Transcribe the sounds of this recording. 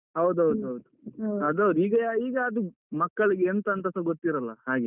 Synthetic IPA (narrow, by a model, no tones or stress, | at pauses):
ɦɐwd̪uɦɐwd̪uɦɐwd̪uɐd̪ɐwd̪uiːɡɐaiːɡɐːd̪u | mɐkːɐɭiɡeeːnt̪ɐnt̪ɐsɐɡot̪ːiɾɐlːɐhaːɡe